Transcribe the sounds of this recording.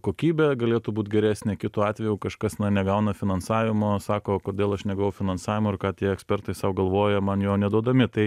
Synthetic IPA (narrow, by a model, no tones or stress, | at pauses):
koːkʲiːbʲɛɡɐlʲeːt̪uːbuːt̪ʲɡʲɛɾʲæːsʲnʲeːkʲɪt̪uːɑːt̪ʲʋʲɛjʊːkɐʃkɐsnɐnʲɛɡɐʊnɐfʲɪnɐnsɑːʋʲɪmoːsɑːkoːkoːd̪ʲeːlˠɐʃnʲɛɡɐʋɐʊfʲɪnɐnsɑːʋʲɪmoːɪrkɑːt̪ʲiɛɛksʲpʲɛrt̪ɐɪsɐʊɡɐlˠʋoːjɛmɐnjoːnʲɛd̪uɔd̪ɐmʲɪt̪ɐɪ